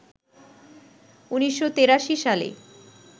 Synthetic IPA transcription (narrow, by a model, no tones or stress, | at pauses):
uniʃːot̪eɾaʃiʃalḛ